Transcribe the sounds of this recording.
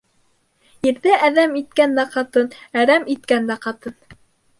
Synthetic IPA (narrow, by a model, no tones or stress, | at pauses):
jɘ̆ɾðɘʔæðæmit̪̚kænd̪æqɑt̪ɤnæɾæmit̪̚kænd̪æqɑt̪ɤn